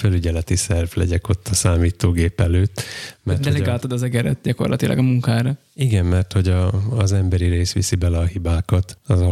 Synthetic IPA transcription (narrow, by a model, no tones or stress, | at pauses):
fɛlyɟɛlɛt̪isɛrvlɛ̰ɟɛko̞t̪ʰːɒsaːmiːt̪oːɡeːpɛløːt̪ːmɛrd̪ɛolɛɡaːt̪od̪ɒzɛɡɛɾɛ̰t̪̚ɟɒko̞̰rlʔɒ̰t̪ilʔɒ̰ɡɒmuŋkaːɾɒ | iɡɛmmɛrt̪ho̞ɟɒːzɛmbɛɾiɾeːsʋḭsibɛlɛɒɦibaːkɒt̪ɒzɒ